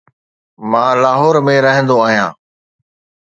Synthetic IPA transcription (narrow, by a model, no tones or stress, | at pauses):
mãːlaːɦɔːɾmẽɾəɦə̃nd̪oaːɦijãː